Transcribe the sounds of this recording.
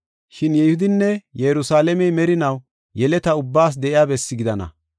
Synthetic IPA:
ʃɪnjɛjhʊd̪ɪnːɛjɛɾʊsaːlɛmɛjmɛɾɪnɐw | jɛlɛt̪ɐʊbːaːs̬d̪ɛʔɪjaːbɛsːɪɡɪd̪ɐnɐ̰

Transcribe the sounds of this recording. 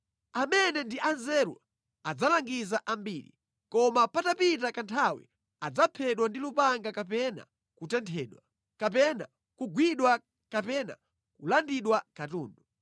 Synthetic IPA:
amɛnɛndiʔanzɛɾṵ | ad͡zalaŋɡizaʔambiɾḭ | kɔmapatapit̬akantʰawḭ | ad͡zapʰɛɗwandilupaŋɡakap̬ɛna̰ | kutɛntʰɛːɗwa | kap̬ɛna̰ | kuɡwiɗwa | kapɛna̰ | kulandiɗwakatuːndu

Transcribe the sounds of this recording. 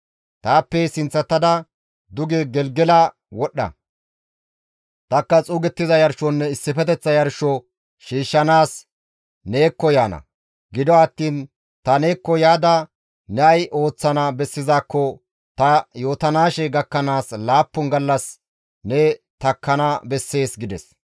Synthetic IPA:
t̪aːpːɛsɪnt͡sːɐt̪ːɐd̪ɐ | d̪ʊɡɛɡɛlɡɛlɐ | wɔɗːɐ̰ | t̪ɐkːɐt͡sʼuːɡɛt̪ːɪzɐjɐɾʃɔnːɛɪsːɪfɛt̪ɛt͡sːɐjɐɾʃɔ | ʃiːʃːɐnaːs | neːkːɔjaːnɐ̰ | ɡɪd̪ɔɐt̪ːiːn | t̪ɐne̞ːkːɔjaːd̪ɐ | nɛɐjʔo̞ːt͡sːɐnɐbɛsːɪzaːkːɔ | t̪ɐjo̞ːt̪ɐnaːʃɛɡɐkːɐnaːslaːpːʊnɡɐlːɐs | nɛ | t̪ɐkːɐnɐbɛsːe̞ːsɡɪd̪ɛs

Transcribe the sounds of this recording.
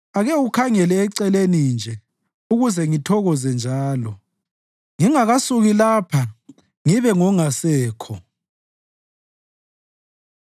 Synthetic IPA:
aɣɛukʰaŋɛlɛːǀɛlenind͡ʒʱɛ | uɣuzɛŋitʰɔɣɔzɛnd͡ʒʱaːlɔ | ŋiŋaɣasuɣilapʰa | ŋiβɛŋɔŋasɛːkʰɔ

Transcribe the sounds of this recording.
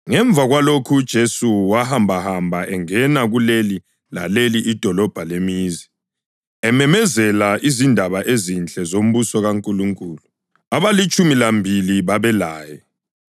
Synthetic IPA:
ŋɛɱb̪vʱaɣwalokʰud̥ʒ̥ʱesuwahambʱahambʱaʔɛŋɛnaɣuleli | la̰leliʔːd̥ʱɔlɔb̥ʱalemiːzi | ɛmɛmɛzɛlaʔizindʱaβaʔezint͡ɬʼɛzom̩βusɔɣaŋkʼuluŋkʼuːlu | aβalit͡ʃʼumilambʱiliβaβɛlaːjɛ

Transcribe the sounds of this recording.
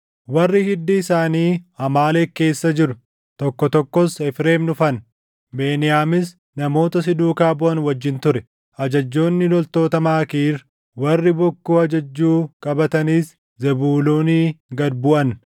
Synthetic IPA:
wɐrːɪhɪd̪ːɪːsaːniːhɐmaːleːke̞ːsːɐd͡ʒɪɾʊ | t̪ɔkːɔt̪ɔkːɔsɛfɾe̞ːmnʊfɐn | be̞ːnɪjaːmɪs | nɐmo̞ːt̪ɐsɪd̪uːkaːbʊʔɐnwɐd͡ʒːɪnt̪ʊɾɛ | ʔɐd͡ʒɐd͡ʒːo̞ːnːɪlɔlt̪o̞ːt̪ɐmaːkiːɾ | wɐrːɪbɔkːuːɐd͡ʒɐd͡ʒːuːkʼɐbɐt̪ɐniːs | zɛbuːloːniːɡɐd̪bʊʔɐn

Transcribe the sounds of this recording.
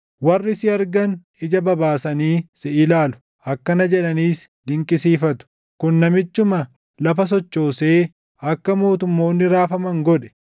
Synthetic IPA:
wɐrːɪsɪɐɾɡɐn | ɪd͡ʒɐbɐbaːsɐniːsɪʔɪlaːlʊ̥ | ʔɐkːɐnɐd͡ʒɛᶑɐniːs | d̪ɪŋkʼɪsiːfɐt̪ʊ̥ | kʊnːɐmɪt͡ʃːʊmɐ | lɐfɐs̬ɔt͡ʃːo̞ːse̞ː | ʔɐkːɐmo̞ːt̪ʊmːo̞ːnːɪɾaːfɐmɐŋɡɔᶑɛ̥

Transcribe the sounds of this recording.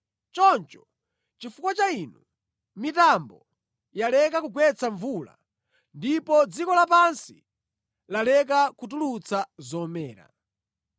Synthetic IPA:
t͡ʃɔnt͡ʃɔ̥ | t͡ʃifukwat͡ʃainu | mitambɔ | jalɛkakuɡwɛt͡sʰaɱvula̰ | ndipɔd͡zikɔlapansi | lalɛk̬akut̬ulut͡sʰazɔmɛːɾa̰

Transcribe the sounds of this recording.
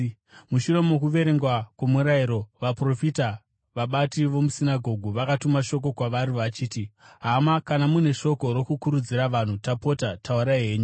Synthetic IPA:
muʃure̞mokuʋe̞ɾe̞ŋɡwakwemuɾaiɾo̞ʋapro̞fita | ʋaɓatiʋo̞musinaɡʱo̞ɡʱuʋakatumaʃo̞k̬o̞kwaʋaɾiʋat͡ʃiːtiɦamakanamune̞ʃo̞ko̞ɾo̞kukuɾud͡ziɾaʋan̤utapo̞tatʰauɾaɦe̞ːɲu

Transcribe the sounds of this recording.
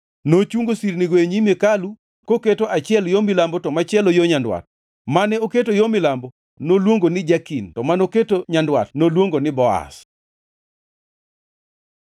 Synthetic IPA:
not͡ʃuŋɡosiɾnɪɡweɲimekalu | koketoʔat͡ʃɪɛljomɪlambɔtɔmat͡ʃɪɛlojoɲandwa̰t̚ | manɛoketojomɪlambo | nolwoŋɡonɪd͡ʒakintɔmanoketoɲandwa̰tnolwoŋɡonɪbɔa̰s

